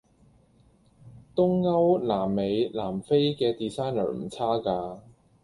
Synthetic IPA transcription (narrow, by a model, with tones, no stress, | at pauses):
t̪ʊ˥ŋːɐ˥wlaː˨˩mːe˨˧jlaː˨˩mfe˥jkɛː˧t̪iː˨saː˥jnə̰ː˨˩m̩˨˩t͡sʰaː˥kaː˧